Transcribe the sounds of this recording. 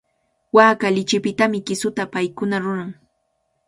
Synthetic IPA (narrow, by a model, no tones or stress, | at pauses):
waːkaʎɪt͡ʃɪpɪt̪amɪkɪsʊt̪apajkʊnaɾʊɾaŋ